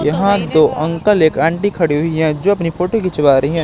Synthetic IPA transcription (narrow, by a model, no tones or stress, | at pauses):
jɐɦãd̪oːʔɐ̃ŋkəleːkɛ̃ːɳʈikʰɐɽiɦʊiɦɛ̃d͡ʒoːɐpnifʰoːʈokit͡ʃɐʋaːɾɐɦiɦɛ̃ː